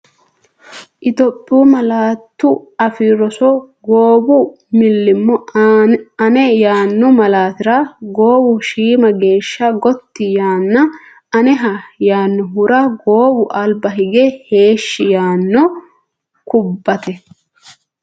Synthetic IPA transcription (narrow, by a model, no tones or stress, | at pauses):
ʔɪt̪ɔpʼːɪuːmɐlaːt̪ːʊɐfiɾɔsɔɡoːbʊ | mɪlːɪmːɔ | ɐnɛjaːnːɔmɐlaːt̪ɪɾɐɡoːbʊʃiːmɐɡe̞ːʃːɐɡɔt̪ːɪjaːnːɐ | ɐnɛɦɐjaːnːɔɦʊɾɐɡo̞ːbʊʔɐlbɐɦɪɡɛhe̞ːʃːɪjaːnːɔ | kʊbːɐt̪ɛ